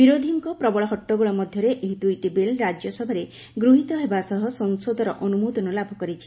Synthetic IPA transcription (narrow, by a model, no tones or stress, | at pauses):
biɾod̪ʱiŋkɔpɾɔbɔɭɔɦɔʈːɔɡuɭɔmɔd̪ʱjɔɾeʔeɦit̪uiʈibelɾad͡ʒjɔsɔbʱaɾe | ɡɾuɦit̪ɔɦebasɔɦɔsɔnsod̪ʱɔɾɔʔɔnumud̪ɔnɔlabʱɔkɔɾit͡ʃʰi̥